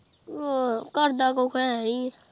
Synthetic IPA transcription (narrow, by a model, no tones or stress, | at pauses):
okəɾd̪akokʰɛ̃ɛĩ